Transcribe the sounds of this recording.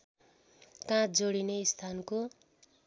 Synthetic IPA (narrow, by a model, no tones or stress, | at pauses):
kãd͡zoɽineist̪ʰanko